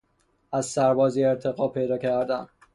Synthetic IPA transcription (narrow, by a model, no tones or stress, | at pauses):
æzsæɾbɒːzieɾt̪ʰeɣɒːpʰe̞jd̪ɒːcʰæɾd̪æn